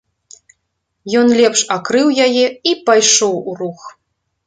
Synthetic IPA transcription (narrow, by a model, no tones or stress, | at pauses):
jɔnlʲɛpʂakɾɨwjajɛipajʂɔwurux